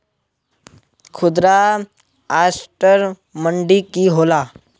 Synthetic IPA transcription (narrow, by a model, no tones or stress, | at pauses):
kʰʊd̪ɾa | aːsʈəɾ | məɳɖikiɦoːlaː